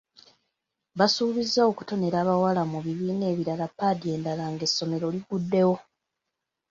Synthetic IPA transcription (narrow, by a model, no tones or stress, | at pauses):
βasuːβizːao̞ku̥to̞ne̞ɾaːβawalamuβiβiːne̞ːβiɾalapːadie̞ːndalaŋɡe̞sːo̞me̞ɾo̞ːliɡudːe̞wo̞